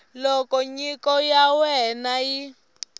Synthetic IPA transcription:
lɔkɔɲikɔjawɛnaji

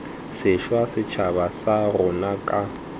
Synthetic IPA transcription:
sɪʃwasɪt͡ʃʰaβasarʊnakʼa

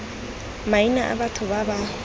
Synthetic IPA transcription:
mainaʔa̰batʰʊbaba

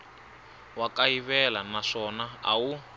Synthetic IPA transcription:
wakaiβɛlanaʂɔnaa̰wu

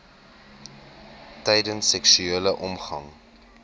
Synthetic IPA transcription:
tɛjdənsːɛksyeːləʔɔmχɐŋ

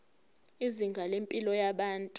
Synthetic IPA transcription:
iziŋɡʱalempʼilɔjaɓaːntʼu

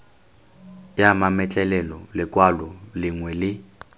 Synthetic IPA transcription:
jamamɛt͡ɬʼɛlɛlɔlɪkʼwalɔlɪŋwɛlɪ

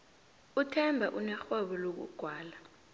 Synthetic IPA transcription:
utʰɛmbʱaʔunɛxwɛɓɔlok̬ṵɡ̥ʱwaːla

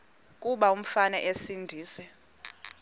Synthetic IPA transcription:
kʼuɓaum̩fanɛʔesindʱiːsɛ

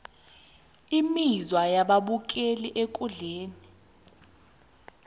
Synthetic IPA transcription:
imizwajaɓaɓuk̬ʼeliʔekʼuɮeːni

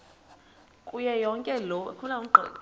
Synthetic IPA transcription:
kʼujɛjɔŋkʼɛlɔ̰kʰunauɡ͡ǃʱɛ̰ːlɔ

